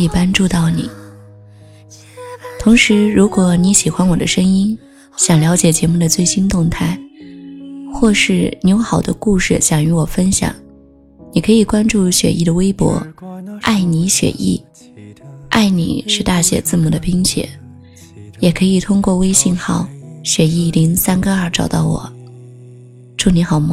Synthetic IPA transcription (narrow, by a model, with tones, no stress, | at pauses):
i˨˩pa˥nʈ͡ʂu˥˧t̪ɑ˥˩ʊnḭ˨˩˦ | t̪ʰʊ˧˥ŋʂɻ̩˧˥ɻu˧˥kwɔ˧˥ni˧˥ɕi˨˩xwa˥nwɔ˨˩d̪ə̰˦ʂɤ˥ŋi˥n | ɕjɑ˨˩ŋljɑ˧˥ʊt͡ɕjɛ˨˩t͡ɕjɛ˧˥mu˥˩d̪ə˩t͡swe˥˩ɪɕi˥nt̪ʊ˥˧ŋt̪ʰa˥˩ɪ | xwɔ˥˧ʂɻ̩˥˩ni˧˩jo˧˥ʊxɑ˨˩ʊd̪ə̰˦ku˥˧ʂɻ̩˥˩ɕjɑ˨˩ŋy˧˥wɔ˨˩fə˥nɕjɑ̰˨˩˦ŋ | ni˨˩kʰɤ˧˥i˨˩kwa˥nʈ͡ʂu˥˩ɕɥɛ̰˨˩ʔi˥˩d̪ə˩we˥ɪpwɔ̰˧˥ʔa˥˩ɪni˧˥ɕɥɛ̰˨˩ʔḭ˥˩ | a˥˩ɪnḭ˨˩˦ʂɻ̩˥˧t̪a˥˩ɕɥɛ̰˨˩t͡sɹ̩˥˩mu˨˩d̪ə˦pi˥ŋɕɥɛ̰˨˩˦ | jɛ˨˩kʰɤ˧˥i˨˩t̪ʰʊ˥ŋkwɔ˥˧we˥ɪɕi˥˧ŋxɑ˥˩ʊɕɥɛ˨˧˩i˥˩li˧˥ŋsa˥nɡə˧ə˞˥˧˩ʈ͡ʂɑ˨˩ʊt̪ɑ˥˩ʊwɔ̰˨˩˦ | ʈ͡ʂu˥˩ni˧˥xɑ˨˩ʊm˥˩